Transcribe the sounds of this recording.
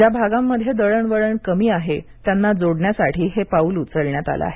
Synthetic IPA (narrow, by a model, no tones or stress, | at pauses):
d͡ʑjabʱaɡamːəd̪ʱːjed̪əɭəɳʋəɭəɳkəmiːaɦet̪janːad͡zoɽɳjasaʈʰiːɦepauːlut͡səɭɳjat̪a̰la̰a̰ɦe